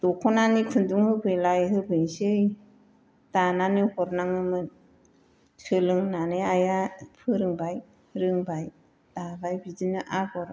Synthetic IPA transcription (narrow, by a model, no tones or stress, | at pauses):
d̥ɔkʰɔnanikʰɯnduŋhɯbɯjlajɦɯbʰɯnsɯj | tananihɔɾnaŋɯmɯn | sɯlɯŋnanɯajapʰɯɾɯŋbaj | ɾɯŋbaj | d̥abajbidinɯʔabɔɾ